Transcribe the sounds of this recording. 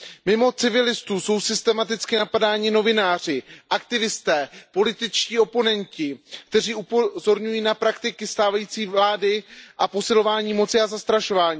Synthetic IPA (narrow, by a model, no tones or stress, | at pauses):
mɪmo̞t͡sɪvɪlɪst̪uːso̞wsɪst̪ɛmat̪ɪt͡skɪnapadaːɲɪno̞vɪnaːr̝ɪʔakt̪ɪvɪst̪ɛːpo̞lɪt̪ɪt͡ʃciːo̞po̞nɛncɪk̚t̪ɛr̝iːʔupozo̞ɾɲujiːnapɾakt̪ɪkɪst̪aːvajiːt͡siːvlaːdɪʔapo̞sɪlo̞vaːɲiːmo̞t͡sɪazast̪ɾaʃo̞vaːɲiː